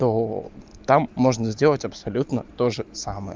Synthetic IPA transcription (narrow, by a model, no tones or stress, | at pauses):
t̪ot̪amːoʐnəzʲdʲelˠətʲɐpsɐlʲut̪nət̪o̞ʐɨsaməjə̰